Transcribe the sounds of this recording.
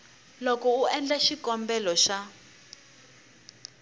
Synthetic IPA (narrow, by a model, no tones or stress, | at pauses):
lɔkɔuɛnd͡ɮaʃikɔmbɛlɔʃa